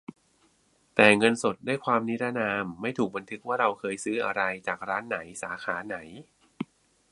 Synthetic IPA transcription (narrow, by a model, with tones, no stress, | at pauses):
t̪ɛː˨˩ŋɤ˧nso˨˩t̪̚daː˥˩jkʰwaː˧mni˦˥ɾa˥naː˧mːa˥˩jt̪ʰuː˨˩k̚ba˧nt̪ʰɯ˦˥k̚waː˥˩ɾa˧wkʰɤː˧jsɯː˦˥ʔa˧ɾa˧jt͡ɕaː˨˩k̚ɾaː˦˥nːa˩˦jsaː˩˦xʰaː˩˦na˩˦j